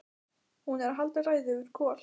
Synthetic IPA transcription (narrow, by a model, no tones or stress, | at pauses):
hunɛɾaɦalt̪araːjðɪʏɾ̥kʰɔːl̥